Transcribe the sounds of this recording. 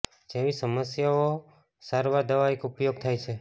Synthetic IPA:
d͡ʒeʋisəməsjao | saɾʋaɾd̪əʋaekupjoɡ̚t̪ʰajt͡ʃʰe

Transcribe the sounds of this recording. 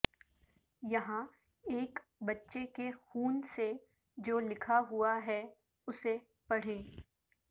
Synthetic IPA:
jɐɦã | eːkbɐtːʃekexuːnse | d͡ʒoːlɪkʰaɦʊaɦɛ | ʊse | pɐɽ̤eː

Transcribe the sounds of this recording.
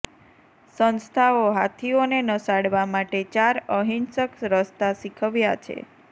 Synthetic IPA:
sənst̪ʰaoɦat̪ʰionenəsaɽʋamaʈet͡ʃaɾəɦinsəksɾəst̪asikʰəʋjat͡ʃʰḛ

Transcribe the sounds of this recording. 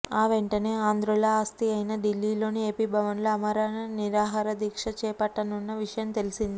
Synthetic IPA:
aːʋe̞ɳʈɐne̞ːaːnd̪ɾuɭɐaːst̪iɐjnɐɖilːiːlo̞ːnieːpibʱɐʋɐnloɐmɐɾaːnɐniɾaːɦaːɾɐd̪iːkʂɐt͡ʃɛːpɐʈːɐnunːɐʋiʂɐjɐmt̪elisind̪i

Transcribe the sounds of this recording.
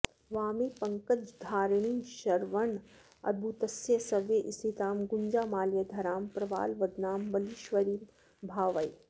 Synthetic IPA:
ʋaːmiːpɐŋkəd͡ʒd̪ʱaːɾɳ̃iːʃɐɾʋɐn | ɐ̰d̪̚bʱut̪ɐsjəsɐʋjeʔɪst̪it̪aːmɡʊɲd͡ʒaːmaːljɐd̪ʱɐɾaːmpɾɐʋa̰ːlʋɐd̪naːmbɐliʃʋɐɾiː | bʱaːʋɐi

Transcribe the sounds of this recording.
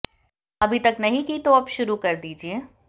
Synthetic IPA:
ɐbʱit̪ɐknɐɦĩkit̪oɐbʃʊɾukɐɾd̪iːd͡ʒieː

